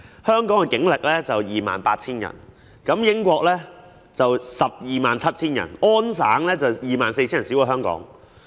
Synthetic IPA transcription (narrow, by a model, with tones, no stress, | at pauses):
hœː˥ŋkɔː˨˥ŋkɛ˧kɪ˨˥ŋlɪ˨k̚lɛː˥t͡sɐ˨wjiː˨ma̰ː˨npaː˧t̚t͡sʰiː˥njɐ̰˨˩n | kɐ˨˦˥mjɪ˥ŋkʷɔː˧k̚lɛː˥ | t͡sɐ˨wsɐ˨p̚jiː˨maː˨nt͡sʰɐ˥t̚t͡sʰiː˥njɐ̰˨˩nɔː˥nsaː˨˥ŋlɛː˥t͡sɐ˨˩wjiː˨maː˨nse˧t͡ɕʰiː˥n˨ɐ˨˩i˨˥wa˨˧˩ɦœː˥ŋkɔ̰ː˨˥ŋ